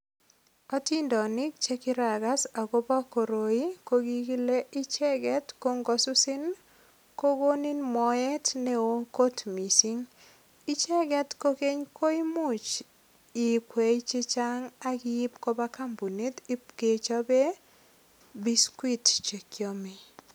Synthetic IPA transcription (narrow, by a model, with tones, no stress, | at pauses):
ɔ˦ti˦ndɔ˨nɪ˦k̚t͡ʃe˦kɪ˦ɾa˨ɡa˦sa˨ko˦ba˦ko˨ɾo˨i˦ko˦ɡi˦ɡi˦le˦ʔɪ˦t͡ʃɛ˦ɡɛ˦tko˦ŋɡo˦sʊ˦sɪ˦n | ko˦ɡo˦ni˦nmɔ˨ɛ˦tne˦o˦ko˦tmi˨si˦ŋ | i˦t͡ʃɛ˦ɡɛ˦tko˦ke˦ɲkʰo˦i˦mʊ˦t͡ʃ | ɪ˨kwe˨˦t͡ʃi˦t͡ʃa˦ŋa˦kɪ˦ɪ˦pko˦ba˦ka˦mbu˨ne˦ti˦pke˨t͡ʃa˦be˦ | bi˦skwi˦tt͡ʃe˨kjo˦mi˦